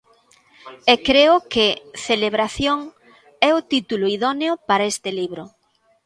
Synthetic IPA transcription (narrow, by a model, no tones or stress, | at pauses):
ekɾeʊkɪθeleβɾaθjoŋ | ɛʊt̪it̪ulʊiðɔneʊpaɾaest̪ɪliβɾʊ